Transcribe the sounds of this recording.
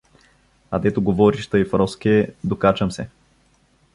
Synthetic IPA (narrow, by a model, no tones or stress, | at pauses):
ɐd̪ɛt̪oɡovɔɾiʃt̪ɤjifɾɔskɛd̪okat͡ʃəmsɛ